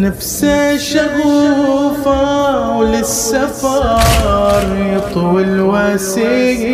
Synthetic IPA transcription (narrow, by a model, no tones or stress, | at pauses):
nɪfsaʃaɣuːfawlɪsːafɑ | ɾˤt̪ˤʊwɪlwasɪ